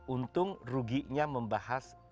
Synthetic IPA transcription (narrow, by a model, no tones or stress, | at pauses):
unt̪ʊŋruɡiʔɲaməmbahas